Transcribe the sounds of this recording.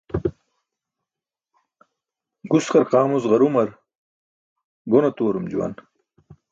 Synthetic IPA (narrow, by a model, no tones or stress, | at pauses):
ɡusqɐɾqaːmuzʁɐɾumɐɾ | ɡonɐt̪oːɾumd͡ʑuwɐ̰n